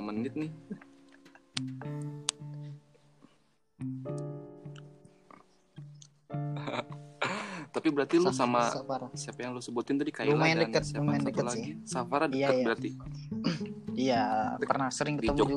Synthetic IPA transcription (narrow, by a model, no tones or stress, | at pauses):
mənɪt̪̚nɪ | h | t̪apibəɾart̪ilɔsamaafaɾasiapajaŋlosəbut̪ɪnt̪adikajumajandəkət̪̚samandəkəlaɡɪisafaɾadəjakət̪əɾart̪i | ijapərnahsəɾɪŋkət̪əmud͡ʒɔd͡ʒu